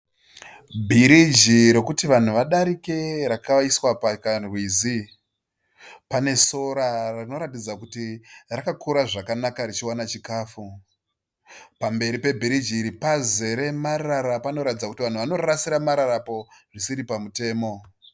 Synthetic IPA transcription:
bʱiɾid͡ʒiɾe̞kutiʋan̤uʋaɗaɾike̞ɾakaiswapakarwiːzi | pane̞so̞ɾarino̞ɾatid͡zakutirakakʰuɾaʐakanakaɾit͡ʃiwanat͡ʃikaːfu | pambe̞ɾipe̞bʱiɾid͡ʒiːɾipaze̞ɾe̞maraɾapano̞ɾatid͡zaku̥tiʋan̤uʋano̞rarasiɾamaɾaɾapo̞ʐisiɾipamute̞ːmo̞

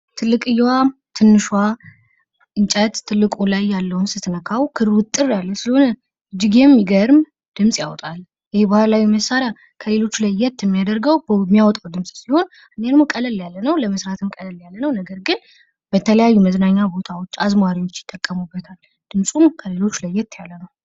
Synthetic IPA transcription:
t̪ʰɨlːɨkʼɨjwat̪ʰɨnːɨʃwa | ʔɨnt͡ʃʼət̪ʰːɨlːɨkʼulajːalːəwnsɨt̪ʰɨnəkʰawkʰɨɾwɨt̪ʼːɨrjalːəsɨləho̞nə | ɨd͡ʒːɪɡemjiɡəɾɨm | d̪̥ɨmsʼjawɔt̪ʼal | jɪhebəhalalajɛməsaɾja | kʰəle̞lo̞t͡ʃːlajːɛt̪ːjɛmːijad̪əɾɡəwbmːijawɔt̪ʼawd̪ɨmsʼsiho̞n | ʔɨned̪mokʼələljalːənəwləməsɾat̪ʰɨmkʼələljalːənəwnəɡəɾɡɨn | bət̪ʰələjajːuməznaɲːabo̞t̪ʰawo̞t͡ʃːazmaɾiwo̞t͡ʃːjɪ̥t̪ʼːəkʼːəmubːət̪ʰal | d̪̥ɨmsʼumkʰəle̞lo̞t͡ʃːlajːɛt̪ʰjalːənəw

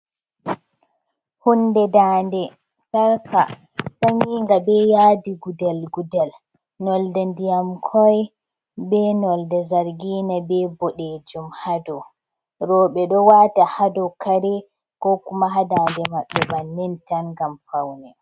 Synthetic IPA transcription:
hundɛdaːndɛ | saɾka | saɲiŋɡabɛjaːdiɡudalɡudal | nɔldandijamkʰɔj | bɛnɔldɛzaɾɡiːnabɛbɔɗed͡ʒumhadɔ | ɾɔɓɛɗɔwaːtahadɔkaɾɛ | kɔkumaɦadandɛmaɓːɛbanːɛntanɡamfawnɛ

